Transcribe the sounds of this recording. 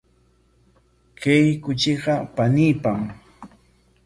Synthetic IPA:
kejkʊt͡ʃɪɢɑpaniːpaŋm

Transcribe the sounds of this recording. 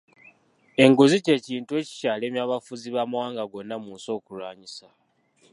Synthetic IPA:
e̞ŋɡuzice̞ːciːntue̞ːci̥caːle̞ːmjaːβafuziβaːmawaːŋɡaɡo̞nːamuːnso̞ːkulaːɲisa

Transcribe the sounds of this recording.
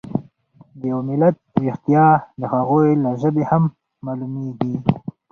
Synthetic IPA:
d̪əjawmɪlat̪̚ɾɪxt̪ijɑd̪əhaɣojlaʒəbehamː | alumeɡi

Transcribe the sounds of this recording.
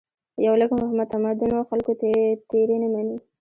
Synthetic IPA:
jawləkmʊhamad̪̚t̪amad̪ʊnawxalkot̪t̪eɾenamani

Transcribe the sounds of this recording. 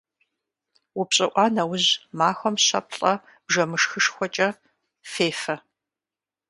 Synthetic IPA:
wʊpɕʼɪʔʷɑːnɐwʊʑmaːxʷɔmɕɐ̰pʰɬʼɐ | b̥ʒɐmɨʂxɨʂxʷɔt͡ʃʼɐ | feːfɐ

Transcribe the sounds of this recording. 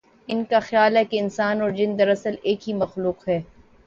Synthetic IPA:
ɪnkaxjaːlɦɛkeɪnsaːnɔːɾd͡ʒɪnd̪ɐɾɐsəleːkɦimɐxluːqɦɛː

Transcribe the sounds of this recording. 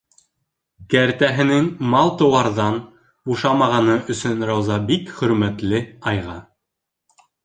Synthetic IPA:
kæɾt̪æɦɘ̆nɘŋmɑlˠt̪ɤ̆wɑɾðɑn | buʃɑmɑʁɑnɤʔɵ̆sɵnɾɑwzɑbikχɵ̆ɾmæt̪lɘɑjʁɑ

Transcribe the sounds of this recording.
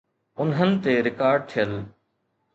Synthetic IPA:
ʊnɦənɪ̆t̪eɾɪkaːɾɖ̚t̪ʰijəl

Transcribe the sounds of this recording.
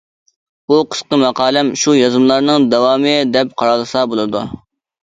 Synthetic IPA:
buqʰə̥sqəmɑqʰɑːlˠɛmʃujɑzɨmlˠɑɾnɨŋd̪ɛwɑːmɨd̪ɛp̚qʰɑɾɑlˠɨsɑbolˠɨd̪ṵ

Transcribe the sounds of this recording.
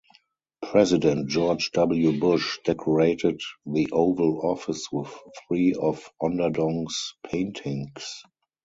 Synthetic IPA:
pʰɹɛzɪdɛ̃nt̚d͡ʒɔːd͡ʒdabl̩jubʊʃd̥ɛkʰɔɹeɪtɪtðiʔoʊvəlɔfɪswɪθθɹiːɔfɔ̃ndədɔ̃ŋspʰẽɪ̃ntʰɪ̃ŋs

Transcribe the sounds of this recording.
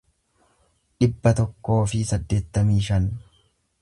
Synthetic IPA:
ᶑɪbːɐt̪ɔkːo̞ːfɪsɐd̪ːe̞ːt̪ːɐmiːʃɐn

